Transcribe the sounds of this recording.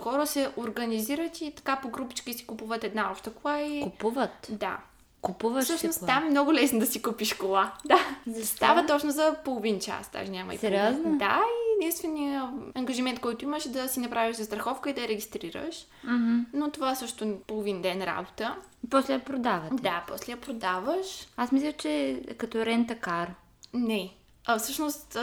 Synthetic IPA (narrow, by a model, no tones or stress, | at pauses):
xɔɾəsɛʔoɾɡəniziɾət̪it̪ɐ̥kapoɡɾupit͡ʃkʲisi̥kupuvət̪ɛd̪naɔpʃt̪əkolˠaikupuvət̪d̪a̰ | kupuvəssəʃnostt̪amɛmnɔɡʊlɛsnd̪ɐsikupiʃkolˠad̪azst̪avət̪ɔt͡ʃnozɐpolˠovint͡ʃa̰sd̪a̰ʒɛnʲamɐ̰ḭspɾznd̪a̰iɛd̪inst̪vɛniəɐŋɡəʒimɛ̃nt̪̚kɔjt̪ʊiməʃɛd̪ɐsinɐpɾaviʃzɐst̪ɾɐxɔfkəid̪ɐɾɛɡʲist̪ɾiɾə̰ʃ̩ | not̪ovaɛsɤʃt̪ʊpolˠovind̪ɛnɾa̰bot̪ə | pɔslɛjɐpɾod̪avɐt̪d̪apɔslɛjɐpɾod̪avəʃasmislʲət͡ʃɛkɐt̪ɔɾɛnt̪ɐkaɾ | nɛ | ɐfsɤʃnost̪